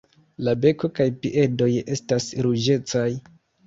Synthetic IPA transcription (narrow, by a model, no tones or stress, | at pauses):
labe̞ko̞kajpiʔe̞do̞je̞stasɾud͡ʒe̞t͡saj